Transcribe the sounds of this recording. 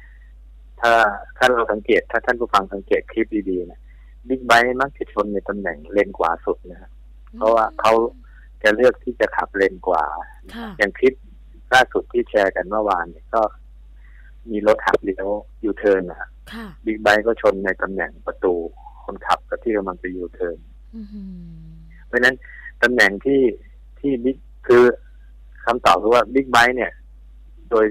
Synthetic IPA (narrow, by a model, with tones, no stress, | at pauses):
t̪ʰaː˥˩t̪ʰaː˥˩ɾa˧wsa˩˦ŋkeː˨˩t̪ʰːaː˥˩a˦˥˩npʰu˥˩fa˧ŋsa˨˩˦ŋkeː˨˩t̪̚kʰɾi˦˥p̚diː˧diː˧na˦˥ | bi˦˥˩k̚ba˦˥jma˦˥˩k̚t͡ɕa˧˩t͡ɕʰo˧nːa˧jt̪a˧mnɛ˨˩˦ŋle˧nkwa̰ː˨˩su˨˩t̪̚na˦˥kʰa˦˥ʔ | pʰɾɔ˦˥waː˥˩kʰa˦˥w | t͡ɕa˨˩lɯ˥˩ək̚t̪ʰiː˥˩t͡ɕa˨˩kʰa˨˩p̚le˧nkwa̰ː˨˩ | na˦kʰa˦˥ja˨˩ŋkʰi˦˥p̚ | laː˥˩su˨˩t̪ʰːiː˥˩t͡ɕʰɛː˧ka˧nmɯ˥˩˨waː˧niː˧˩kɔː˥˩ | miː˧lo˦˥t̪̚ha̰˨˩p̚li˧˩˧ | juː˧˩t̪ʰɤː˧nːa˩a˦˩ | bi˦˥k̚ba˦˥jkɔː˥˩t͡ɕʰo˧nːa˧jt̪a˧mnɛ̰˨˩˦ŋpa˧t̪uː˧kʰo˧nkʰa̰˨˩p̚ka˨˩p̚t̪ʰiː˥˩ka˧mla˧ŋt͡ɕa˧juː˧˩t̪ʰɤː˧n | baː˧˥˧na˦˥n | t̪a˧mnɛ˨˩˦ŋt̪ʰiː˥˩ | t̪ʰiː˥˩bi˦˥˩k̚kʰɯː˧ | kʰa˧mt̪ɔː˨˩p̚kʰɯː˧waː˥˩bi˦˥k̚ba˦˥jni˥˩ɐ | doː˧j